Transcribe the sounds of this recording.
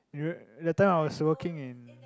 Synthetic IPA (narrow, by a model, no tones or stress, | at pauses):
dɛtːãɪ̃maɪwɔswəkɪ̃ŋɪ̃n